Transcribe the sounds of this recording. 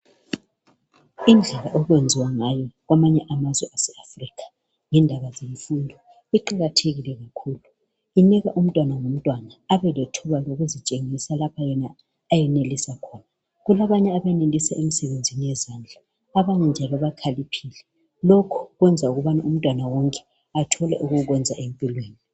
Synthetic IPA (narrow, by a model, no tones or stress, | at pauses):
ind͡ɮʱɛlaʔɔɣwend͡zʱiwaŋajɔɣwamaɲɛʔamazwɛʔasɛafrikʰḁ | ŋɛndʱaβazeɱfundʱɔ | iǃaɣatʰeɣilɛɣakʰuːlu | iniɣa̰ʔum̩tʼwanaŋum̩tʼwanaːβɛletʰuβaloɣuzit͡ʃʼeŋisalapʰajɛnaː | jɛnelisakʰɔːna | ɣulaβaɲɛaβɛnelisaʔemisɛβend͡zʱinijɛzand͡ɮʱaː | βaɲɛnd͡ʒʱalɔβakʰalipʰiːlɛ | lokʰu̥ɣwɛnd͡zʱauɣuβanaʔum̩tʼwanawɔŋkʼɛ̥ | atʰɔlɛ̰ʔuɣuɣwɛnd͡zʱaʔempʼilweːni